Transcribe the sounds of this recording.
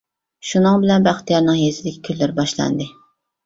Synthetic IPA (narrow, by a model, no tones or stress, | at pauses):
ʃunɨŋbɪlɛnbæχt̪ijɑɾnɨŋjesɪd̪ɪkʲʰi̥kʲʰølːɪɾbɑʃlˠɑ̰nd̪ɨ